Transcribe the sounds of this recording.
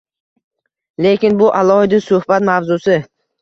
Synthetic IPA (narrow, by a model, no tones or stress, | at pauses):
le̞kʲɪnbʊʔalˠɒhɪd̪ɪsʊhbat̪mavzʊsɪ